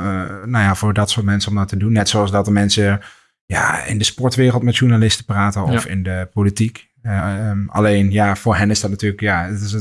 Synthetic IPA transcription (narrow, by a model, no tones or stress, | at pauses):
najavʊːɹdɑtsʊːɹtmɛnsəɔmdɔtʰədunːɛtsoɑlˠsdɑtəmɛnsə | ja̰ɪ̰ndəspɔɹtʋɪːrəlˠtmɛtʃuɹnalɪstəpraːtənɔfɪ̰ndəpolitik | a̰lejnjafoːɹɦɛnɪsdɑt̚natyːləkjaətɪs